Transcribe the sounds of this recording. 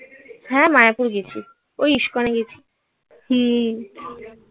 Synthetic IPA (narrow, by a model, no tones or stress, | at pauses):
sɛmajapuɾɡit͡ɕʰi | ojiʃkɔneɡit͡ɕʰi̥ | hĩ